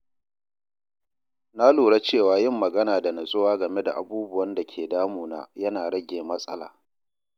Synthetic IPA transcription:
naː˦luː˨ɽa˦t͡ʃeː˦˨waː˦jɪ˦˨mːɐ˨ɡɐ˦naː˨da˨nɐ˨sʼʊ˦waː˦ɡɐ˨me˦da̰˨ʔa̰˨buː˦bʊ˦wɐ˦nda˨kʲʰeː˨daː˦muː˨na̰ː˦jɐ˦naː˨ɽɐ˦ɡʲeː˨mɐ˦sʼɐ˦la̰ː˨

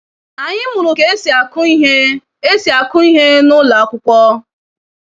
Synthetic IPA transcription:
a˨ɲɪ˦mʊ˨ɾʊ˨ke˦sa˨kʊ˦ɦe˦ | e˦si˨a˨kʊ˦i˦ɦe˦nʊ˦la˨a˦kʷʊ˦kʷɔ˦

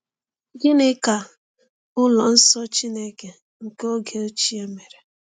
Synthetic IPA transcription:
ɡɪ˦nɪ˦ka˨ | ʊ˦lɔ˨n̩˦sɔ˦t͡ʃi˦ne˦ke˨ | ŋ̩˨ke˦o˦ɡe˨o˦t͡ʃi˦e˦me˨ɾe˨

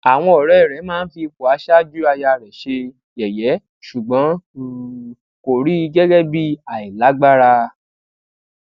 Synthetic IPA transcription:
a˨w̃ɔ̃˧ɔ˨ɾɔ˨˦ɛ˦˨ɾɛ˨˦mãː˦n̩˦fi˧ko˨a˨˧˦ʃa˦d͡ʒu˦a˧ja˧˨ɾɛ˨ʃe˧ | jɛ˨jɛ˨˦ | ʃu˨ɡ͡bɔ̃˨˦˨ | ko˨ɾi˨˦i˧ɡɛ˦ɡɛ˦bi˦a˨i˨la˨˦ɡ͡ba˦ɾa˧

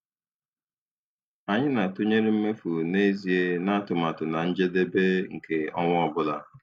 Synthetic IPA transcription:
a˨ɲɪ˦na˨to˦ɲe˦ɾi˦m̩˦me˦fu˨ne˦zi˨e˦na˦tʊ˨ma˨tʊ˨na˨n̩˦d͡ʒe˦de˦be˦ŋ̩˨ke˨ɔ˦ŋʷ˦ɔ˦bʊ˦la̰˨

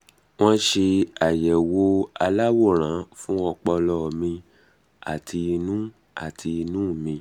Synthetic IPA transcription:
w̃ɔ̃˦ʃe˧a˨jɛ˨wo˧˦a˧la˦wo˦˨ɾ̃ã˨˦fũ˦ɔ˧k͡pɔ˧lɔ˧˨mĩ˧ | a̰˨tʰi˧i˧nũ˦ | a̰˨tʰi˧i˧nũː˦˨mĩ˧

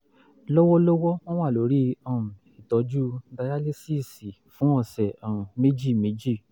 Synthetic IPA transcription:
lɔ˦wɔ˦lɔ˦wɔ˦w̃ɔ̃˦wa˦˨lo˨˦ɾi˦ɔ̃˦˨ | i˨tɔ˨˦d͡ʒu˦da˧ja˦le˦si˦˨si˨fũ˨˦ɔ˦˨sɛ˨ɔ̃˨ũ˨me˦d͡ʒi˦˨me˨˦d͡ʒi˦˨

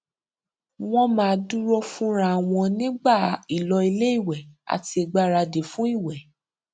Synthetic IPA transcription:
w̃ɔ̃˦mãː˦˧du˦ɾɔ˦fũ˦ɾ̃ã˦˨w̃ɔ̃˧nĩ˦ɡ͡ba˦˨i˨lɔ˧i˧le˦i˦˨wɛ˨a̰˨ti˧e˧ɡ͡ba˦ɾa˧de˨fũ˦i˦˨wɛ˨

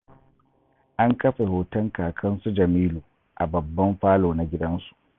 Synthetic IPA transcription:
ʔa˦ŋkɐ˦ɸe˨hoː˨tɐ˦ŋkaː˨kʰɐ˦nsu˦d͡ʒɐ˨miː˦luː˨ | ʔa̰˨bɐ˨bːɐ˦mɸaː˦loː˨na˨ɡʲɪ˦dɐ˦nsu̥˨ʔ

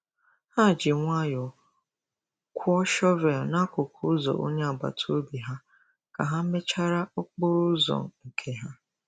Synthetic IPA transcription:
ha˦˨d͡ʒɪ˨ŋʷa˦jɔ˨ | kʷʰʊ˦ɔ˦ʃɔ˦ve˨lna˦kʊ˨kʰʊ˦zɔ̰˨ʔo˦ɲe˦a˨ɡ͡ba̰˨tʰo˦bi˨ɦa˦ | ka̰˨ɦa˦me˦t͡ʃa˦ɾa˦ʊ˦k͡pʊ˦ɾʊ˦zɔ̰˨ŋ̩˨kʰe˦ɦa˦

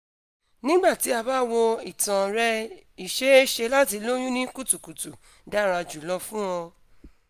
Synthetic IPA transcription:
nĩ˦ɡ͡ba˦˨ti˨˦a˧ba˦wɔ˧i˨tã˨ɾɛ˦i˦˨ʃe˦e˦ʃe˧la˦ti˧lo˦j̃ũ˦nĩ˦ku˦˨tu˨ku˨tu˨ | da˦˨ɾa˧d͡ʒu˨lɔ˧fũ˦ɔ̃˧

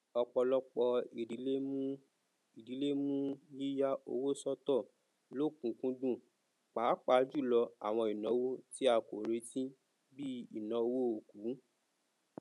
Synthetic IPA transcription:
ɔ˧k͡pɔ˧lɔ˧k͡pɔ˧i˨di˨˦le˦m˦ | i˨di˨˦le˦mũ˦ji˦ja˦o̰˧wo˦sɔ˦tɔ˦˨ | lo˦˨kũ˨kũ˦dũ˦˨ | k͡pa˨˦k͡pa˨˦d͡ʒu˦˨lɔ˧a̰˨w̃ɔ̃˧˨i˨nã˨˦wo˦ti˦a˧ko˨ɾe˨˦tĩ˦ | bi˦i˨nã˨˧˦o˧wo˦o˨ku˨˦

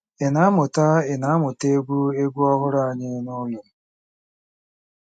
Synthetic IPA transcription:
ɪ˨na˨˦a˦mʊ˨ta˦ɪ˨na˨˦mʊ˨te˦ɡʷu˦e˦ɡʷu˦ɔ˦ɦʊ˦ɾa˦a˨ɲɪ˦nʊ˦lʊ˨m̩˨

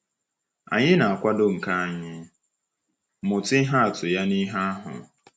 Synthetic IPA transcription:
a̰˨ɲɪ˦na˨a˨kʷa˦do˦ŋ̩˨ka˦a˨ɲɪ˦ | mʊ˨tɪ˦ɦa˦a˨tʊ˨ja˦ni˦ɦa˦a˦ɦʊ̰˨

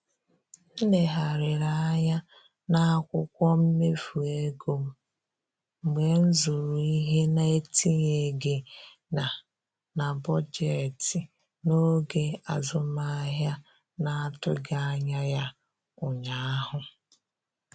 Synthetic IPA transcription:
n̩˦ne˨ɦa˨ɾɪ˨ɾa˦a˦ɲa˦ | na˦a˦kʷʊ˦kʷɔ˦m̩˦me˦fu˨e˦ɡo˨m̩˨ | ɡ͡be˨n̩˦zu˨ɾu˨i˦ɦe˦na˦e˦tʰi˦ɲe˨ɡe˨ | na˨ | na˨bɔ˦d͡ʒe˨ti˨ | no˦ɡe˨a˨zʊ˨ma˦ɦja˦ | na˦a˦˨tʊ˦ɡa˦a˦ɲa˦ja˦ | ʊ˨ɲa˨˦ɦʊ˨

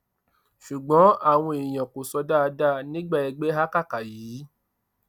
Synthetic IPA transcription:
ʃu˨ɡ͡bɔ̃˨˦a˦˨w̃ɔ̃˧i˨j̃ã˨ko˨sɔ˧da˦˧da˦˨nĩ˦ɡ͡ba˦˨ɛ˧ɡ͡be˦ɦa˦ka˦˨ka˨jiː˨˦

